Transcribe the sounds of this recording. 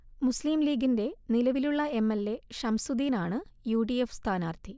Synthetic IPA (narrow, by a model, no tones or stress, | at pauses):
musliːmliːɡinde̞nilɐʋiluɭːɐe̞mːelːe̞ʂɐmsud̪iːnaːɳɨjuːɖijefst̪ʰaːnaːrt̪ʰi